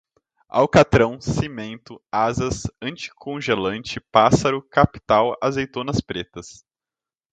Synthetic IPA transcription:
a̰wkat̪ɾɐ̃w̃simẽnt̪ʊazɐsɐ̃t͡ʃɪ̥kʰõʒelɐ̃nt͡ʃɪpasɐɾʊkapi̥t̪awazejt̪onɐspɾet̪ɐs

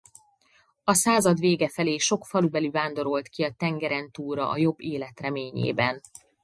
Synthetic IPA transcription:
ɒsaːzɒd̪ʋeːɡɛfɛleːʃo̞kfɒlubɛlyvaːnd̪o̞ɾo̞lt̪kiɒt̪ɛŋɡɛɾɛnt̪uːɾɒ̰ʔɒjo̞bːeːlɛt̪rɛmeːɲḛːbɛn

